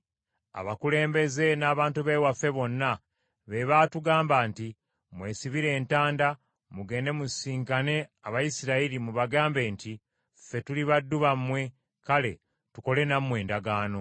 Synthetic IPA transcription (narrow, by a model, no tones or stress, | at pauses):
a̰βakule̞ːmbe̞ze̞naːβaːntuβewafe̞βo̞nːa | βe̞βatuɡaːmbaːnti | mwe̞ːsiβiɾe̞ːntaːnda | muɡe̞ːnde̞musiːŋkane̞aβajisiɾailimuβaɡaːmbe̞ːnti | fe̞tuliβadːuβamːwe̞ | kale̞ | tuko̞le̞namwe̞ːndaɡaːno̞